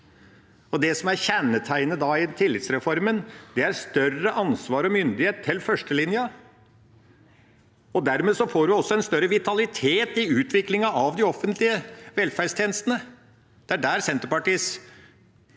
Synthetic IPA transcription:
ɔd̪ɛsɔmæɾçænːət̪ʰæɪnəd̪ɑɪnt̪ʰɪlːɪt̪sɾɛfɔɾmənd̪ɛæɾst̪œrəʔɑnsʋɑːɾɔmʏnd̪ɪheːt̪ʰːɪlːfœʂʈəlɪnjə | ɔd̪æɾmeːsɔfoːɾɪɔsːɔɛnst̪œɾəʋɪt̪ʰɑlɪt̪ʰeːt̪ɪʉːt̪ʰʋɪklɪŋɑʔɑʋd̪ɪɔfːənt̪lɪəʋɛlfæɾɖst̪ʰjeːnəst̪ənə | d̪̥ɛæɖæːɾsɛnt̪əɾpɑʈiːs

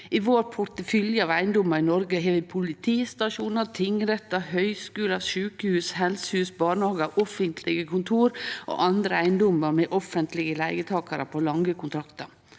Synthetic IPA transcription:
ɪʋoːɾpʰʊt̪əfʏljəɑːʋæɪnd̪ɔmɑɾɪnɔɾɡəɦɛːʋɪpʰʊlɪt̪ʰiːst̪ɑʂuːnət̪ʰɪŋːɾɛt̪ːɑhœʏskʉːlɑʃʉːkəhʉːshɛlsəhʉːsbɑːɳhɑːɡəɾʔɔfənt̪ʰlɪɡəkʰʊnt̪ʰuːɾʔo̰ːʔɑnd̪ɾəæɪnd̪ɔməɾmɛʔɔfənt̪lɪɡəlæɪɡət̪ʰɑːkəɾəpʰoːlɑŋɡəkʰʊnt̪ʰɾɑkt̪əɾ

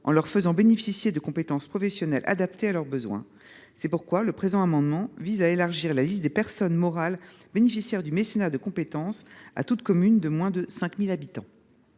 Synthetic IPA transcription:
ʔɑ̰̃lœʁfəzɑ̃benefisjed̪əkɔ̃pet̪ɑ̃spχɔfɛsjɔnɛlʔa̰d̪ap̚t̪ealœʁbəzwɛ̰̃ | sɛpuʁkwaləpχezɑ̃amɑ̃d̪mɑ̃vizaelaʁʒiʁlalist̪̚d̪epɛʁsɔnmɔʁal | benefisjɛʁd̪ymesenaʁd̪əkɔ̃pet̪ɑ̃sa̰t̪ut̪kɔmynd̪əmwɛ̃d̪əsɛ̃kmilabit̪ɑ̰̃

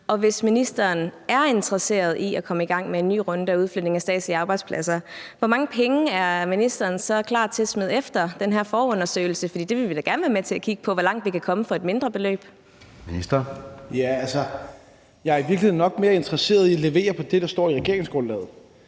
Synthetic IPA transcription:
ɒ̽ʋe̝sminisd̥ɐːnæɐe̝nt͡sʰəʁɐse̝̰ːɐð̞̩ˠʔiækʰɒ̽məiɡ̥ɑ̈ŋ̰mee̝nːy̰ːʁɔ̽nd̥əæuðˠflød̥ne̝ŋæsd̥ɛ̰ːd̥siɑ̈ːb̥ɑ̈ɪd̥spʰlæsɐʋɒ̽mɑ̈ŋəpʰeŋəæɐminisd̥ɐːnsɒ̽kʰlɑ̰̈ːd̥̚t͡sʰe̝smeð̞̩̰ˠefd̥ɐd̥enɦæɐfɒːɔ̽nɐsø̰ɪl̩səfɒdḭːd̥e̝ʋe̝lʋid̥æɡ̥æɐnəʋæːɐmet͡sʰe̝lækʰiɡ̥ə̥pʰɒ̽ʋɒlɑ̈ŋ̰d̥ʋikʰækʰɒ̽məfɒ̽e̝d̥me̝nd̥ʁɐb̥e̝lø̰ːb̥ | minisd̥ɐjæælsɐ | jɑ̈ɐiʋiɐklihð̩ˠnːɒ̽ɡ̥̚me̝ːɐe̝nd̥ʁɐse̝̰ːɐðˠiɒle̝ʋe̝̰ːɐpʰɒ̽d̥e̝ɾ̥ɑ̈sd̥ɒ̰ːiʁɛɡ̥e̝ɐ̰e̝ŋsɡ̥ʁɔ̽nlɛ̰ːð̩ˠ

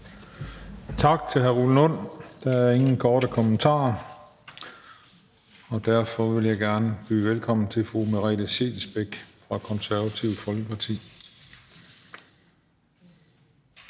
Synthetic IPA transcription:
t͡sʰɑ̈ɡ̥̚t͡sʰe̝lɦæɐʁulənon̰d̥ɑ̈æɐe̝ŋn̩kʰɒːɾəkʰɒmənt͡sʰɑ̰̈ː | ɒ̽d̥æɐfɒ̽ʋe̝ljɑ̈ɪɡ̥æɐnəb̥y̰ːʋelkʰɒ̽m̰n̩t͡sʰe̝lfʁumeʁɛ̰ːl̥əɕe̝̰lsb̥eɡ̥fʁɑ̈kʰɒ̽nsæɐʋæt͡sʰiʊ̰̥fɒ̽lɡ̥əpʰɑ̈t͡sʰḭː

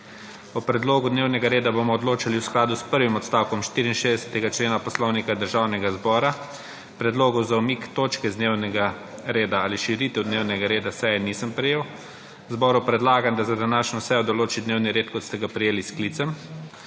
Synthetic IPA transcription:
ɔpɾɛd̪loːɡud̪neːwnɛɡaɾeːd̪abomɔːd̪loːt͡ʃaliwsklaːd̪uspəɾʋimɔt̪st̪awkɔmʃt̪iːɾiːnʃeːzd̪ɛsɛ̥t̪ɛɡat͡ʃleːnapɔslownikad̪əɾʒawnɛɡazbɔːɾa | pɾɛd̪loːɡɔzaumiːkt̪oːt͡ʃkɛzd̪newnɛɡa | ɾeːd̪aaːliʃiɾiːt̪ɛwd̪neːwnɛɡaɾeːd̪asɛjɛniːsəmpɾɛjeːw | zbɔːɾupɾɛd̪laːɡamd̪azad̪anaːʃnɔsɛjɔd̪ɔloːt͡ʃid̪neːwniɾeːt̪kɔt̪st̪ɛɡapɾɛjeːliskliːt̪sɛm

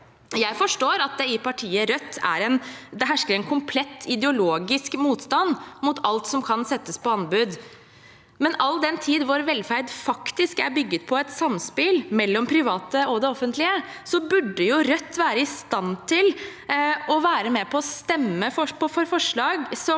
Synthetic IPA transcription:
jæɪfɔʂʈoːɾɑt̪̚d̪ɛɪpɑʈʰiːəɾœt̪ːæ̰ɾɛnd̪ɛɦæʂkəɾɛnkʰʊmpʰlɛt̪ʰːɪd̪ɛʊloːɡɪskmuːt̪st̪ɑnmʊt̪ʰɑlt̪sɔmkʰɑnsɛt̪ːəspɔɑnbʉːd̪ | mɛnɑld̪ɛnt̪ʰiːd̪ʋʊɾʋɛlfæɾd̪fɑkt̪ɪskæɾbʏɡːət̪pʰɔɛt̪sɑmspɪlmɛlːɔmpʰɾɪʋɑːt̪əɔd̪ɛɔfːənt̪ʰlɪə | sɔbʉɖːəjʊɾœt̪ːʋæːɾəɪst̪ɑnt̪ʰɪl | ɔʋæːɾəmɛpʰɔːst̪ɛmːəfɔpɔfɔɾfɔʂɭɑːɡsɔ

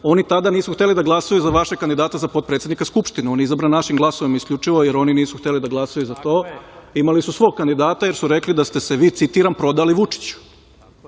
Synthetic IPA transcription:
o̞nit̪ad̪aniːsuxt̪e̞lid̪aɡlˠasajuzaʋaʃeɡ̚kːand̪id̪aːt̪azapo̞t̪̚pɾet̪sed̪nikaskupʃt̪ineonizabɾannaʃimɡlˠaso̞ʋimiskʎʲut͡ʂiʋo̞jeɾo̞niniːsuxt̪e̞lid̪aɡlˠasajuzat̪o̞ːimalisusʋo̞ɡ̚kand̪id̪aːt̪ajeɾsuɾe̞klid̪ast̪e̞seʋiːt̪sit̪iɾampɾo̞d̪aliʋut͡ʂi̥t͡ɕu̥

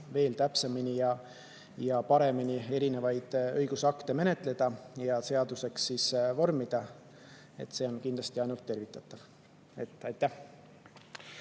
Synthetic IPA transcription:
ve̞ːlt̪æpseminijɑ | jɑpɑɾe̞minie̞ɾine̞vɑjd̪̥ɤjɡ̥usɑkt̪e̞me̞ne̞t̪ˑle̞d̪̥ɑjɑse̞ɑd̪̥use̞ksːiːsvo̞rmid̪̥ɑ | e̞̰t̪ːˑse̞o̞nkind̪lɑst̪iɑjnult̪ːe̞rvit̪ːˑɑt̪ːˑɑv̥ | e̞t̪ːˑɑjt̪ːˑæh

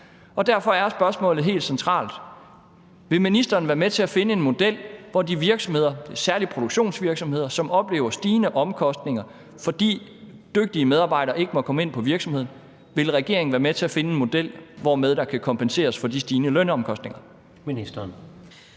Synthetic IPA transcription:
ɒ̽d̥æɐfɒ̽æɐsb̥ɶɐsmɔ̰̽ːlð̩ˠɦe̝̰ːld̥sent͡sʰʁɑ̰̈ːld̥ | ʋe̝lminisd̥ɐːn̩ʋæːɐmet͡sʰe̝æfe̝nəe̝nmo̝d̥el̰ʋɒdiʋiɐɡ̥sɒ̽mhe̝ð̞̰ˠɐ̥esæɐlipʰʁo̝d̥oɡ̥ɕo̝̰ːnsʋiɐɡ̥sɒ̽mhe̝ð̞̰ˠɐsɒ̽mɒ̽b̥le̝ːʊɐsd̥iːnəʔɒ̽mkʰɒ̽sd̥ne̝ŋɐ | fɒ̽d̥ḭː | d̥øɡ̥̚d̥iəmeðˠɑ̈ːb̥ɑ̈ɪ̰ɾɐːʔe̝ɡ̥əmɒ̽kʰɒ̽məe̝n̰pʰɒ̽ʋiɐɡ̥sɒ̽mheð̰ˠn̩ | ʋe̝lʁɛɡ̥e̝ɐ̰eŋ̩æːɐmet͡sʰe̝æfe̝nəe̝nmo̝d̥el̰ʋɒmeð̞ˠd̥ɑ̈kʰækʰɒ̽mpʰense̝̰ːɐsfɒ̽d̥isd̥iːnəlønɒ̽mkʰɒ̽sd̥ne̝ŋɐ | minisd̥ɐn

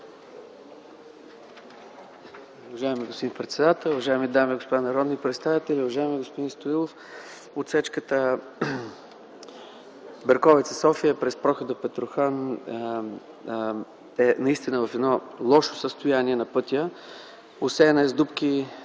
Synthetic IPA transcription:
ʊvɐʒaɛmiɡospd̪inipɾɛt̪sɛd̪at̪ɛlˠʊvɐʒaɛmid̪amiɡospʊd̪anɐɾɔd̪nipɾɛt̪st̪avit̪ɛlʲiʊvɐʒaɛmiɡospʊd̪inst̪oilˠof | ot̪sɛt͡ʃkət̪ə | bɛɾkɔvɛt̪səsɔfijəpɾɛspɾɔxəd̪əpɛt̪ɾʊxan | ɛnɐist̪inəvɐfɛd̪nɔlˠɔʃo̥səst̪ʊjaniɛnɐpɤt̪ʲjə | osɛnɛzd̪upki

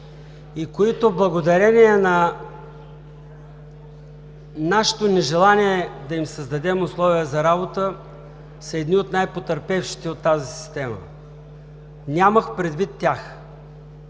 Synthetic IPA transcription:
ikoit̪oblˠɐɡod̪ɐɾɛniɛnɐ | naʃɛ̥t̪onɛʒɛlˠanʲiɛd̪ɐimsəzd̪ɐd̪ɛmʊslˠɔvijəzɐɾabot̪ə | səɛd̪niot̪najpot̪əɾpɛfʃi̥t̪ɛot̪ːazisi̥st̪ɛmə̰ | nʲaməxpɾɛd̪vit̪ːjax

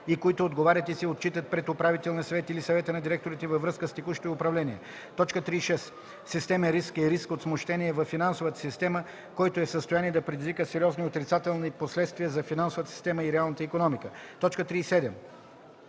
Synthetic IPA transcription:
ikoit̪oːd̪ɡovaɾʲət̪isiot̪̚t͡ʃit̪ət̪̚pɾɛt̪ʊpɾavit̪ɛlˠniəsɐvɛt̪ilisɐvɛt̪ənɐd̪iɾɛk̚t̪oɾit̪ɛvɐvɾɤskəst̪ɛkuʃi̥t̪oiʊpɾɐvlɛniɛ̰ | t̪ɔt͡ʃkət̪ɾiːsʃɛs | sist̪ɛməɾiskiɾiskot̪smoʃt̪ɛniɛvɐfːinansovət̪ə̥sist̪ɛmə | kɔjt̪oɛsəst̪ojaniɛd̪ɐpɾɛd̪izvikəsɛɾʲiɔzniot̪ɾit̪sat̪ɛlˠniposlɛt̪st̪viəzɐfinansovət̪əsi̥st̪ɛməiɾɛalˠnət̪əikonɔmikət̪ɔt͡ʃkət̪ɾiːsɛd̪ɛm

